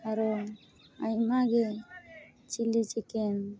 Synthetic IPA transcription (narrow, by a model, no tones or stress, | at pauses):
aɾɔ | ajmaɡe | t͡ʃilit͡ʃɛkɛn